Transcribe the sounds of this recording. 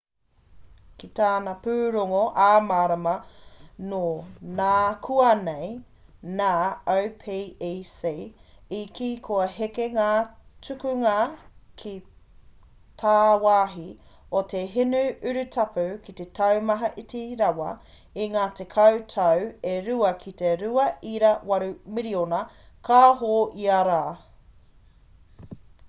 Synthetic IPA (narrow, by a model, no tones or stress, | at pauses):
kit̪aːnɐpʉːɾoŋoʔaːmaːɾɐmɐnonaːkʰuɐnej | naːɐwpʰeeseikʰiːkʰoɐɦekeŋaːt͡sʉkʉŋakʰi | tʰaːwaːɦi | otʰeɦinʉʉɾʉtʰɐpʰʉkitetʰɐwmɐɦɐʔitiɾɐwɐ̰ | iŋaːte̞kʰɐwtʰɐweɾʉɐkʰiteɾʉɐiɾɐwɐɾumiɾionɐ | kʰaːɦoːʔiɐɾaː